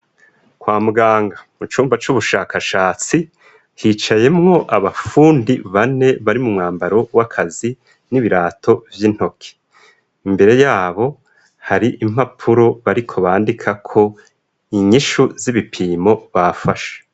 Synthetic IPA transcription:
kwaːmuɡaːŋɡamut͡ʃuːmbat͡ʃuβuʃaːkaʃaːt͡si | hiːt͡ʃaje̞mŋo̞ʔaβafuːndiβane̞βaɾimumŋaːmbaɾo̞wakʰazi | niβiɾaːtʰo̞vjin̥ho̞kʰe̥ | imbe̞ɾe̞jaːβo̞ | haɾiʔim̥hapʰuɾo̞βaɾikʰo̞βaːndikʰakʰo̞ | iɲiʃuziβipʰiːmo̞βafaʃae̥

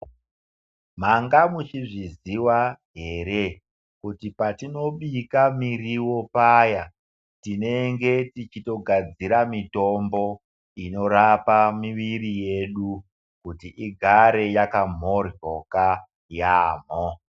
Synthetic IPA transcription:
maŋɡamut͡ʃiʐiziwaɦe̞ɾe̞ | kutipatino̞ɓikamiriwo̞paːja | tine̞ŋɡe̞tit͡ʃito̞ɡʱad͡ziɾamito̞mbo̞ | ino̞ɾapamiʋiɾije̞ɗu | kutiʔiɡʱaɾe̞jakam̤orjoka | jaːm̤o

